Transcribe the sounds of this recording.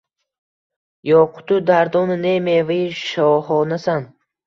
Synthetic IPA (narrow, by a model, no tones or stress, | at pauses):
jɔqʰu̥t̪ud̪aɾd̪ɔnnemevaiʃɔhɔnasan